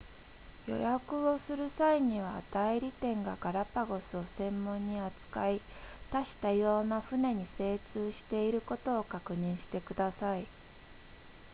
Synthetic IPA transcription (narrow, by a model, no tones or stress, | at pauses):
jo̞̰jakɯ̟o̞sɨɾɯ̟saiɲ̟iβ̞at̪aiɾʲit̪ẽ̞ŋɡaɡaɾapaɡo̞sɨo̞sẽ̞mːõ̞ɲ̟ːiat͡sɨ̥kait̪aɕi̥t̪ajo̞ːnaɸɯ̟ne̞ɲ̟ise̞ːt͡sɨːɕi̥t̪e̞iɾɯ̟ko̞t̪o̞ːkakɯ̟ɲ̟ĩɰ̃ɕi̥t̪e̞kɯ̟d̪asai